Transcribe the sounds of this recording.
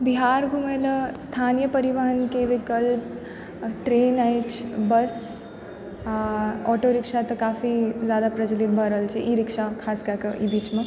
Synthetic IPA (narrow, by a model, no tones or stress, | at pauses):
biɦaɾɡʱumeləst̪ʰanjəpəɾiʋəɦənkeʋikəlp | ʈɾeːnajt͡ʃʰbəs | ɔʈoɾikʂat̪əkafizjad̪apɾət͡ʃəlit̪̚bʱəɾəlt͡ʃʰeʔiɾikʂakʰaskakəʔibiːt͡ʃmə̃